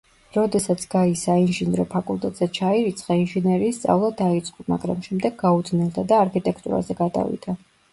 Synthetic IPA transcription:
ɾɔd̪ɛsat̪sʰɡaisainʒinɾɔpʰakʼulˠt̪ʼɛt̪ʼz̥ɛt͡ʃʰaiɾit̪sʰʼχainʒinɛɾiːst̪sʼa̰vlˠad̪ait̪sʼqʼuma̰ɡɾa̰mʃɛmd̪ɛɡ̚ɡaud̪nɛlˠd̪ad̪aːɾkʰit̪ʼɛkʰt̪ʼṵɾa̰zɛɡad̪a̰vḭd̪̥a

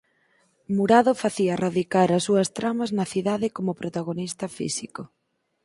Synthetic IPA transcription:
muɾaðofaθiɐraðikaɾɐsːuɐst̪ɾamɐznɐθiðaðɪkomopɾot̪aɣonist̪ɐfḭsiko

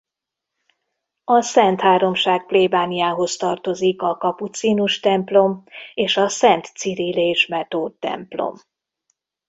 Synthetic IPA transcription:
ɒsɛnt̪haːɾo̞mʃaːk̚pleːbaːnijaːɦo̞st̪ɒrt̪o̞zikɒkɒput̪siːnuʃt̪ɛmplo̞meːʃɒsɛnt̪siɾileːʃmɛt̪oːt̪ːɛ̰mplo̞̰m

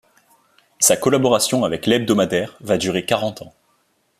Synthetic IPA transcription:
sakɔlabɔʁasjɔ̃avɛklɛb̚d̪ɔmad̪ɛʁvad̪yʁekaʁɑ̃t̪ɑ̃

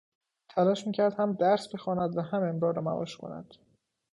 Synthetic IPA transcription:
t̪ʰælɒːʃmiːcʰæɾd̪hæmd̪æɾsbe̞xɒːnæd̪væhæmemd̪ɒːɾɾɒːmæ̰vɒ̰ːʃkʰo̰næ̰d̪̥

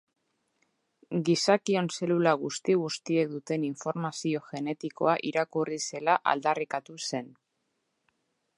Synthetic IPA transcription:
ɡisakio̞nse̞lulaɣ̞ust̪iɣ̞ust̪ie̞k̚d̪ut̪e̞niɱfo̞ɾmasio̞ʝe̞ne̞t̪iko̞̰aʔiɾakurise̞laʔa̰ld̪arikat̪use̞n

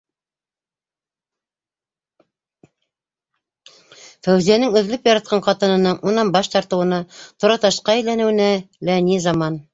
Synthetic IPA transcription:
fæwzijænɘŋɵ̆ðlɵpjɑɾɑt̪̚qɑɴqɑt̪ɤ̆nɤ̆nɤɴunɑnbɑʃt̪ɑɾt̪ɤ̆wɤ̆nɑt̪ŏɾɑt̪ɑʃqɑæjlænɘ̆wɘ̆næ | lænizɑmɑn

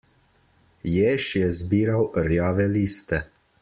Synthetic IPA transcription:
jeːʃjɛzbiːɾawɾjaːʋɛliːst̪ɛ

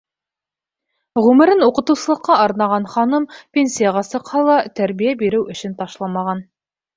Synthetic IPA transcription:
ʁʉmɘ̆ɾɘnuqɤ̆t̪ɤ̆wsɤ̆lˠɤ̆qːɑʔɑɾnɑʁɑnχɑnɤmpʲensʲijaʁɑsɤ̆qhɑlˠɑt̪æɾβijæbiɾɘwɵ̆ʃɘ̆nt̪ɑʃlˠɑmɑʁɑn

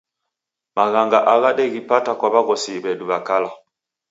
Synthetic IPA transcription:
maɣaŋɡaʔaɣaɗɛɣipatakwaβaɣɔsibɛduβakala

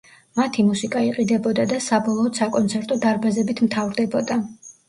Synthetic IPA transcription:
mat̪ʰimusikʼaiqʼid̪ɛbɔd̪ad̪asabɔlˠɔːd̪sakʼɔnt̪sʰɛɾt̪ʼɔd̪aɾbazɛbit̪ʰmt̪ʰavɾd̪ɛbɔd̪a

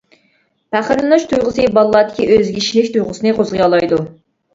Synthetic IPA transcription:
pæχəɾlˠɨnuʃt̪ʰujʁəsɨbɑlˠlːˠɑːd̪ɪ̥kʲʰiʔøzɡʲiʃilɪkʲt̪ʰujʁəsɨnɨqʰozʁəjɑlˠɑjd̪u

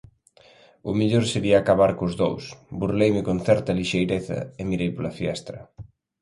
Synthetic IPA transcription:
ʊmiʎoɾseɾiaːkaβaɾkʊzðo̰wsburlejmɪkon̟θɛɾt̪ɐliʃejɾeθɐ̰ɪmiɾejpolɐfjɛst̪ɾɐ̰

